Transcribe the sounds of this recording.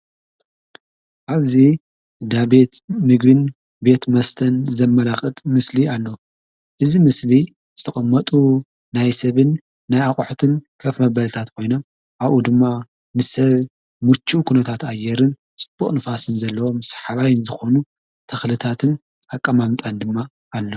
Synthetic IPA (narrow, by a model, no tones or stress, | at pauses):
ʔaβzi | d̪abet̪mɨɡbɨn | be̞t̪mɐst̪ʰɐnzɐmːɐlaxʼɨt̪ʼmɨslialːɐ | ʔɨzimɨsli | zɨt̪ʰɐχʼɐmːɐt̪ʼu | najsɐβɨnː | ajakʼħut̪ʰɨnkʰɐfmɐβɐlt̪ʰat̪kʰo̞jno̞m | ʔaβʔud̪ɨmːa | nɨsɐβ | mɨɾt͡ʃʰukʰunɐt̪ʰat̪ajːɛɾɨn | t͡sʼɨb̥ːuχʼnɨfasɨnzɐlːɐwo̞msḁħaβajnzɨxonu | t̪ʰɐxlɨt̪ʰat̪ʰɨn | akʼːamamt̪ʼand̪ɨmːa | ʔːlːo